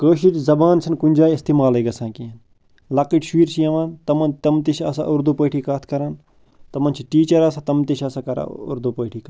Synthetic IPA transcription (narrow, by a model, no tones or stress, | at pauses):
kəːʃit͡ʃzɐbaːnsʰɐnkunʲd͡ʒaːiist̪imaːleːɡɐsãːkiːɐn | lɐkiʈʃiːɾsiɐʋaːnt̪ɐmɐnt̪ɐmt̪iʃɐ̰sa̰ːʔuɾd̪upəːʈʰiːkaːt̪ʰkɐɾaːn | t̪ɐmɐnt͡ʃʰiʈiːt͡ʃɐɾaːsaːt̪ɐmt̪iʃɐsaːkɐɾa̰ṵɾd̪upəːʈʰiːkː